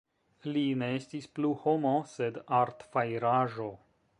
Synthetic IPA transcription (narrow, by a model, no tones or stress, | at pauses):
line̞estispluho̞mose̞daɾtfajɾaʒo̞